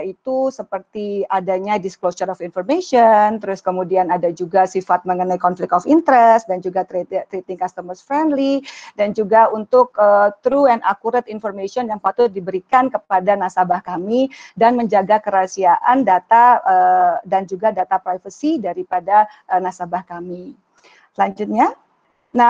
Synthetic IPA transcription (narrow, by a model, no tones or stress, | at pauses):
ait̪usəpərt̪iadaɲadisklosəɾɔfinfɔrmeʃɔnt̪əɾʊskəmudianadad͡ʒuɡasifat̪̚məŋənajkɔnflɪk̚t̪ɔfint̪əɾɛst̪dand͡ʒuɡat̪ɾet̪ɾet̪ɪŋkast̪əmərsfɾɛndlidand͡ʒuɡaunt̪ʊk̚ət̪ɾuɛna̰kuɾat̪infɔrmesiɔnjaŋpat̪ʊt̪̚dibəɾikankəp̚adanasabahkamidanməɲd͡ʒaɡakəɾasiaʔandat̪aədand͡ʒuɡadat̪apɾajfəsidaɾipada | ʔənasabahkami | laɲd͡ʒʊt̪̚ɲa | na